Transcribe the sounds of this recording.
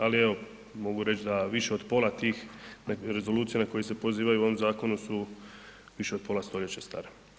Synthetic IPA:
alieʋo̞ | mo̞ɡuɾe̞t͡ʃd̪aʋiʃe̞od̪po̞ːlˠat̪iːxnaɾe̞zo̞luːt̪sijanako̞jesepo̞ziːʋajuo̞ʋomzaːko̞nusu | ʋiʃe̞o̞d̪̚pʰo̞last̪o̞ʎe̞t͡ɕest̪a̰ːɾe

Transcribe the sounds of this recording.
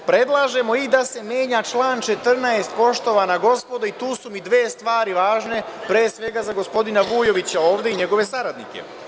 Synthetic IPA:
pɾe̞d̪lˠaːʒe̞mo̞id̪ase̞mje̞ːɲat͡ʃlˠaːnt͡ʃe̞t̪r̩naest̪̚po̞ʃt̪o̞ʋanaɡo̞spo̞d̪ait̪uːsumid̪ʋeːst̪ʋaːɾiʋaːʒne̞pɾeːsʋe̞ɡazaɡo̞spo̞d̪inaʋuːjo̞ʋit͡ɕao̞ːʋd̪e̞iɲe̞ɡo̞ʋe̞saɾad̪nḭke̞̰

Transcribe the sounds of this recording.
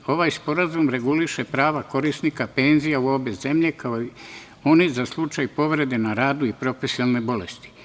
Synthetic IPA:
o̞ʋajspo̞ɾazumɾe̞ɡuliʃepɾaːʋako̞ɾisnikape̞nzijauo̞be̞ze̞mʎe̞kaoi | o̞nizaslˠut͡ʃajpo̞ʋɾe̞d̪e̞naɾaːd̪uipɾo̞fesiolne̞bo̞le̞st̪i̥

